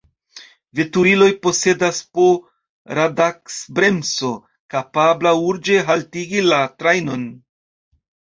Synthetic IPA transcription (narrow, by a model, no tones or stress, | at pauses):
vetuilo̞jpo̞se̞daspo | ɾadaksbɾe̞mso̞ | kapablauɾd͡ʒe̞ɦaltiɡilatɾajno̞n